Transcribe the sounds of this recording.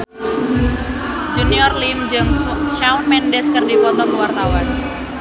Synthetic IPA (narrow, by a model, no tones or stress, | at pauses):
d͡ʒuniɔrlimd͡ʒəŋsʃaunmɛndɛskərdipɔt̪ɔkəwart̪awan